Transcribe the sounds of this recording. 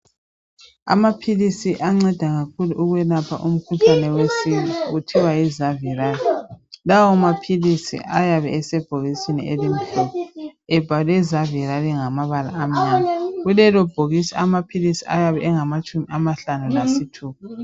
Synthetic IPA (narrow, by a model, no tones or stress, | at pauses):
a̰mapʰilisiʔaŋ͡ǀɛd̥ʱaɣakʰuluʔuɣwɛlapʰa̰ʔum̩kʰuɬanɛwesiwiutʰiwaizaviɾalilawɔmapʰilisḭʔajaβɛɛsɛb̥ʱoɣisinḭɛlim̩ɬupʰuɛb̥ʱalɛzaviɾaliŋamaβala̰ːm̩ɲanaɣulɛlɔb̥ʱoɣisɛamapʰilisiajaβɛɛŋamat͡ʃʼumiamaɬanulasitʰuːpu